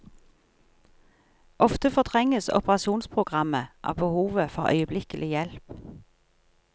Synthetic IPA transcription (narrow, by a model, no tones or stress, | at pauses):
ʔɔft̪əfɔt̪ʰʁɛŋəsʊ̰pəʁɑʃuːnspʰʁʊɡʁɑməʔɑ̰ːʋbəhuːʋəfɔʁœ̰ʏəblɪkəlɪjɛlp